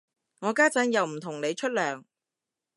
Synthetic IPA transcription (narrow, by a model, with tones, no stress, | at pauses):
ŋɔː˨˧kaː˥t͡sɐ˨˥njɐ˨˩wm̩˨˩t̪ʰʊ˨˩ŋne˨˧jt͡ʃʰɵ˥t̚lœː˨˩ŋ